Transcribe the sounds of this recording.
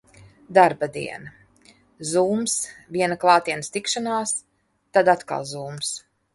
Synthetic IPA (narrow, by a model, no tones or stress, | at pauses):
d̪aɾbad̪ḭɛna | zuːmsvʲiɛnaklˠɑːt̪iɛnəst̪ikʃanaːs | t̪ad̪at̪ka̰lˠzuːms